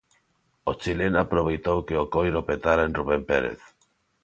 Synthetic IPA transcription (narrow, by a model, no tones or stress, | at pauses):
ot͡ʃilenapɾoβejt̪owkeokojɾopet̪aɾaenruβempeɾḛθ